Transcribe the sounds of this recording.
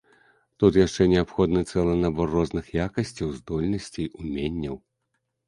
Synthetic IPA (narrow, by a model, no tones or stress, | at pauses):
t̪ut̪jaʂt͡ʂɛnʲɛapxɔd̪nɨt̪sɛlˠɐnabɔrːɔznɨxjakɐsʲt͡sʲɐwzd̪ɔlʲnɐsʲt͡sʲijumʲenʲːɐw